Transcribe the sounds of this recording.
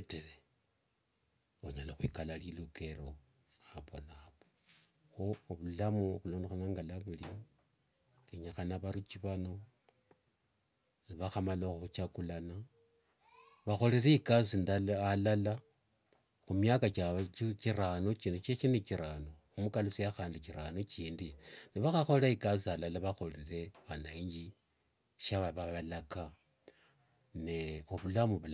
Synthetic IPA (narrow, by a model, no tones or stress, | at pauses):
teɾe | oɲalaxwikalaliluke̞lo | aβonaβo | xoβulamuxulo̞ːndexanaŋɡalaβuli | eɲaxanaβaɾut͡ʃiβano̞ | iβaxamaloxxut͡ʃakulana | βaxo̞liɾeikazindaalala | xumjakat͡ʃaiciɾanot͡ʃinut͡ʃet͡ʃineciɾanoxumukalusijaxaːndiciɾanot͡ʃiːndiniβaxaxoleikazialalaβaxo̞lire̞βanaiɲɟi | ʃaβaβaβalaka | neoβulamuβul